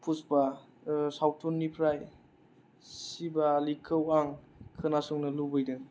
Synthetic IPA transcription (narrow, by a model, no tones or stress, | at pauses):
pʰusba | sawtʰunːipʰɾaj | sibalikʰːɯwaŋkʰɯnasuŋnɐlubɯjdɯŋ